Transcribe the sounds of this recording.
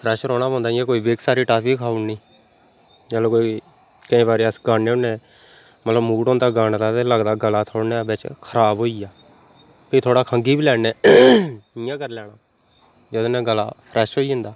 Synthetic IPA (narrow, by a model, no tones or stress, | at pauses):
pʰɾɛːʃɾoːɽ̃aːɔ̃ːnd̪aːɪjãːkoːiːbeːksaːɾiːʈaːpiːkaːuniː | d͡ʒaːlõːkoːi | kəĩːbaːɾeəsɡaːneːõnẽː | mət̪ləbmuːʈõːnd̪aːɡaːɳd̪aːt̪eləɡd̪aːɡəlaːt̪ʰoːɽneːbet͡ʃkʰəɾaːboːiːjaː | piːt̪ʰoːɽaːkʰəŋɡiːbiːlɛːneː | ɪjãːkəɾlɛːɽaː | d͡ʒəd̪oːnɛ̃ːɡəla̰ːpʰɾɛːʃɦoːiːʊ̃nd̪aː